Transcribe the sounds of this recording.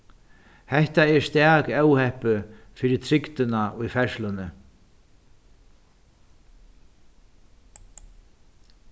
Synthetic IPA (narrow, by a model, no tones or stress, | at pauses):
hɛht̪aɛɾ̥st̪aːkɛwhɛhpʏfɪɾɪɾ̥t̪ʰɾɪkt̪ʏnaujfɛɾ̥slʏnʏ